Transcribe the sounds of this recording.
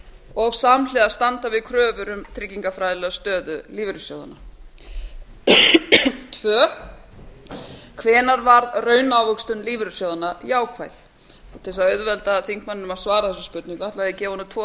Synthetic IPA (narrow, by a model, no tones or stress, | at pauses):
ɔɣsamlɛðast̪ant̪avɪðkʰɾœːvʏɾʏmt̪ʰɾɪcːiŋkafɾajðɪlɛɣast̪œːðʏliːvɪɾʏsjoːwða̰na | t̪ʰvœː | kʰvɛːnaɾvaɾðrœːɥnawvʏkst̪ʏnliːvɪɾʏsjowðanajaːwkʰvajθ | ɔt̪ʰɛsaœɥðvɛlt̪aðθiŋ̥kmanɪnʏmaðsvaːɾaθɛsʏspʏt̪nɪŋkaht̪laaðɪcɛːvɔnʏt̪ʰvɔ